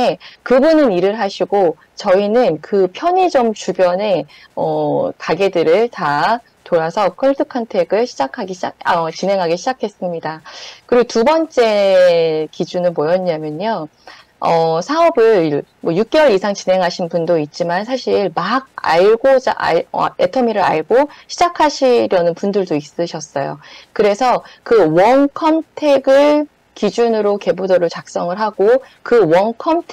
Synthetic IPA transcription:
ekɯbunɯniɾɯɭɦaɕʰiɡo | t͡ɕʌinɯnkɯpʰjʌɲid͡ʑomt͡ɕubjʌne̞ | ʌkaɡedɯɾɯɭta | toɾasʰʌkʰʌɭtʰɯkʰantʰe̞ɡɯɭɕʰid͡ʑakʰaɡiɕʰaʌt͡ɕinɦe̞ŋɦaɡiɕʰid͡ʑakʰe̞s͈ɯmɲidakɯɾiɡotubʌnt͡ɕ͈e̞ | kid͡ʑunɯnmojʌɲamjʌɲo | ʌsʰaʌbɯɭmwʌjuk̚k͈ewʌɾisʰaŋt͡ɕine̞ŋɦaɕʰinpundoit̚t͡ɕ͈imansʰaɕʰiɭmaɡ̚a̰ɭɡoa̰ʌe̞tʰʌmiɾɯɾa̰ɭɡoɕʰid͡ʑakʰaɕʰiɾjʌnɯnpundɯɭdois͈ɯɕʰʌs͈ʌjo̰kɯɾe̞sʰʌkɯwʌnkʰʌmtʰe̞ɡɯɭ | kid͡ʑunɯɾoke̞budʌɾot͡ɕak̚s͈ʌŋɯɭɦaɡo | kɯwʌnkʰʌmtʰ

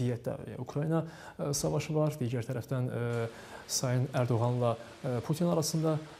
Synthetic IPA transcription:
ijæt̪̚d̪æ̰ukʰɾɑjinɑ | sɑvɑʃɯvɑɾd̪iːɟæɾt̪ʰæɾæfd̪æn | sɑjɯnæɾd̪o̞ɣɑnlˠɑ | pʰut̪ʰinɑɾɑsɯnd̪ɑ

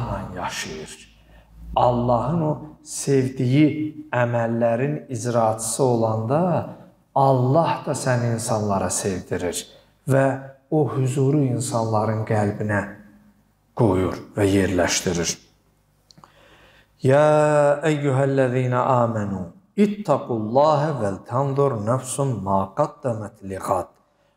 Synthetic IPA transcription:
ɦɑnjɑʃɯjɯɾ | ɑlˠːɑɦɯno̞se̞vd̪ijiæmælːæɾinizɾɑːt̪ʰɯ̥sɯo̞lˠɑnd̪ɑ | ɑlˠːɑhd̪ɑsæniinsɑnlˠɑɾɑse̞vd̪iɾiɾ | væohyzuːɾuinsɑnlˠɑɾɯnɡælbinæ | ɡ̥ojuɾvæje̞ɾlæʃt̪iɾiɾ | jaːæjːuɦælːæðiːnæʔaːmænu | it̪ʰːɑqulˠːɑːɦavælt̪ʰɑnd̪oɾnæfsummɑːqɑd̪ːæmæt̪liɣɑd̪̥

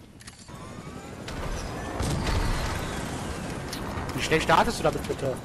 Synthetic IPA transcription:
viːʃnɛlʃtaːtəsd̥uːdaːmɪtʰv̥ɪtʰɐ

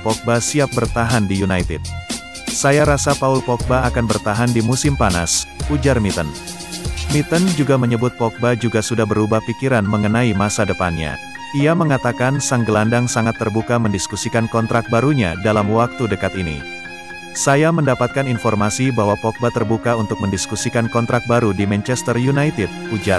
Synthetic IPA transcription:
pɔk̚basiap̚bərt̪aɦandijunajt̪ɪd̪̚ | sajaɾasapaʊlpɔk̚baːkanbərt̪aɦandimusɪmpana̰sud͡ʒarmit̪ən | mit̪ənd͡ʒuɡaməɲəbʊt̪̚pɔk̚bad͡ʒuɡasudahbəɾubahfikiɾanməŋənaimasadəpanɲa̰ | iaməŋat̪akansaŋɡəlandaŋsaŋat̪ːərbukaməndiskusikankɔnt̪ɾak̚baɾuɲa̰dalamwak̚t̪udəkat̪inḭ | sajaməndapat̪̚kaninfɔrmasibaɦwapɔk̚bat̪ərbukaunt̪ʊk̚məndiskusikankɔnt̪ɾak̚baɾudimɛnt͡ʃɛst̪ərjunajt̪ɪd̚ | ud͡ʒar

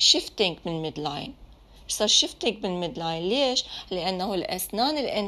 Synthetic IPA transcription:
ʃɪft̪ɪŋɡmɪnmɪd̪la̰ːjn | ʃsˤɑɾˤʃɪft̪ɪŋɡ̚mɪnmɪd̪laːjnleːʃlɪʔanːahulʔasnaːnɪlʔɪn

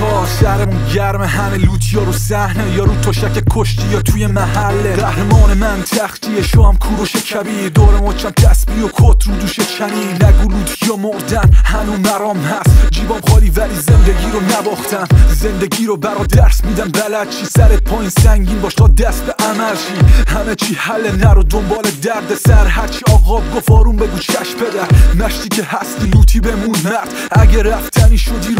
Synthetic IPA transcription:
bɒːsæɾemunɟæɾmeɦæmeluːt̪ʰjɒːɾusæhnejɒɾuːt̪ʰoʃækekʰoʃt̪ʰijɒt̪ʰuːjemæhælːeɾæhɾemɒːnemænt̪ʰæxt̪ʰieʃoæmkʰuːɾoʃekʰæbid̪oːɾemɒt͡ʃʰæmt̪ʰæsbijokʰot̪ʰɾuːd̪uːʃet͡ʃʰæniːnnæɡuːluːt̪ʰjɒmoɾd̪ænhænumæɾɒːmhæst̪d͡ʒiːbɒːmχɒːɾiːvæliːzend̪eɡiːɾonæbɒːχt̪ʰæmzend̪eɡiːɾobæɾɔːd̪æɾsmiːd̪ænbælæd̪̥̚t͡ʃʰiːsæɾet̪̚pʰɒːjinsæŋɟiːnbɒːʃt̪ʰɒːd̪æst̪eʔæmæɾʃihæmet͡ʃʰiːhælenæɾod̪ombɒːled̪æɾd̪esæɾhæɾt͡ʃʰiɒːɣɒːbɡofɒːɾumbeɡuːt͡ʃʰæʃpʰed̪æɾmæʃt̪iːcʰehæst̪iːluːt̪ʰiːbemunmæɾd̪ | ʔæɟeɾæft̪ʰæniːʃod̪iːɾ

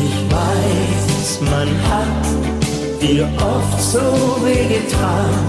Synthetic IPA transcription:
ɪçvaɪssmanhat | d̥iːɐʔɔftz̥oveːɡətʰaːn

